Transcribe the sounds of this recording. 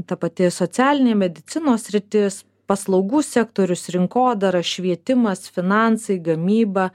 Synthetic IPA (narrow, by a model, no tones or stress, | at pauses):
t̪ɐpɐt̪ʲɪsot̪sʲæːlʲɪnʲeːmʲɛd̪ʲɪt̪sʲɪnoːsʲsʲɾʲɪt̪ʲɪs | pɐslˠɐʊɡuːsʲɛkt̪oːɾʲʊsɾʲɪŋkoːd̪ɐɾɐʃʲʋʲiɛt̪ʲɪmɐsfʲɪnɑˑnsɐɪɡɐmʲiːbɐ